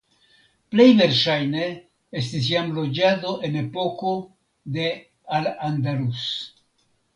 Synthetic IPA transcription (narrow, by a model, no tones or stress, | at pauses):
ple̞jve̞ɾʃajne̞ | estis̬jamlo̞d͡ʒado̞ʔe̞ne̞po̞ko̞ | de̞ | aland̪aɾus